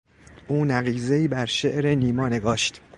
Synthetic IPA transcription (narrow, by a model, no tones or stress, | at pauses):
ʔuːnæɣiːzeiːbæɾʃeʔɾeniːmɒːneɡɒːʃt̪